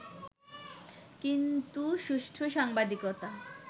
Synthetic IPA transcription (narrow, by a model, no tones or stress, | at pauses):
kint̪uʃuʃʈʰoʃaŋbad̪ikot̪a